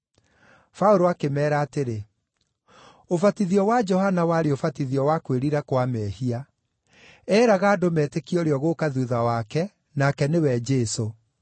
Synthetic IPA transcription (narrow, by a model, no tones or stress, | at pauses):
faoɾoakemɛːɾaːteɾe | ofatiðiɔwad͡ʒɔhanawaɾeofatiðiɔwakweɾiɾakwamɛhia | ɛːɾaɣaːdomɛtekiɔɾeɔɣokaðuðawakɛ | nakɛnewɛd͡ʒɛso